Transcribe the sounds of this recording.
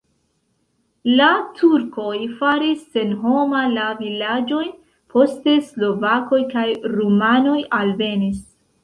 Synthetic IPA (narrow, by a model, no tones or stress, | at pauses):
latʰuɾko̞jfaɾisːe̞nɦo̞malavilad͡ʒo̞j | pʰo̞ste̞slo̞vako̞jkajɾumano̞jalve̞nis